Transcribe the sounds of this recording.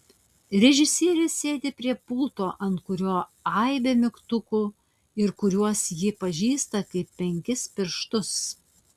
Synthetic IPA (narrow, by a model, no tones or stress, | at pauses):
ɾʲɛʒʲɪsʲiɛɾʲɪssʲeːd̪ʲeːpʲɾʲiɛpʊlˠt̪oːʔɐnt̪kʊɾʲoːɐɪbʲeːmʲɪkt̪ʊkuː | ɪɾkʊɾʲuɔsjɪpɐʒʲiːst̪ɐkɐɪpːʲɛŋʲkʲɪspʲɪɾʃt̪ʊs